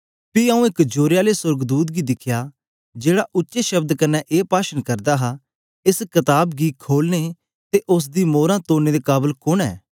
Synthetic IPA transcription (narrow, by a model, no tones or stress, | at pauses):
piɐũɪkd͡ʒoːɾejaːlesʊɾɡd̪uːt̪̬̚ɡid̪ɪkʰja | d͡ʒeːɽaʔʊtːʃeʃɐbd̪kɐnːɛʔeːpaːʃənkɐɾd̪aɦa | ɪskɐt̪aːbɡikʰoːlne | t̪eʔʊs̬d̪imoːɾãt̪oːned̪ekaːbəlkʊnɛ̰ː